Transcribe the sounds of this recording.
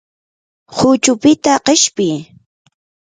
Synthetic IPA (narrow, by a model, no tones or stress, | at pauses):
hʊt͡ʃʊpɪt̪aqeʃpɪj